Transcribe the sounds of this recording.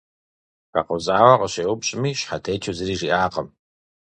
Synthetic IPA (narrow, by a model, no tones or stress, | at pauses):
qa̰qəwzaːwɐqʼəɕeːwʊpɕʼɪmiːɕħatʰeːt͡ʃʰɐzɨɾiːʐiʔaːqəm